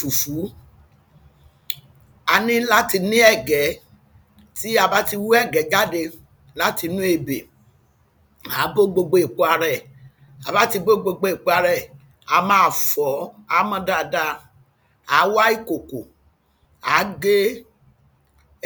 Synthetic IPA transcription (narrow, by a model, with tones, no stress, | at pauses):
u˨fu˨˦ | a˧nĩ˦la˦ti˧nĩ˦ɛ˦˨ɡɛ˨˦ | ti˦a˧ba˦ti˧wu˦ɛ˦˨ɡɛ˨˦d͡ʒa˦de˧ | la˦ti˧nũ˦e˧˨be˨ | a˨˦bo˦ɡ͡bo˧ɡ͡bo˧i˨k͡po˧˦a˧ɾɛ˦˨ | a˨ba˦ti˧bo˦ɡ͡bo˧ɡ͡bo˧i˨k͡po˧a˧ɾɛ˦˨ | a˨˧mãː˨˦˧fɔ˨˦a˨˦mɔ̃˧da˧˨da˧ | a˨˦wa˦i˦˨ko˨ko˨ | a˨˦ɡe˦